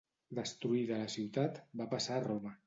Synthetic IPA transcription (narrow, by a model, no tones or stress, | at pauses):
d̪əst̪ɾuiðələsiwt̪at̪bapasaːromə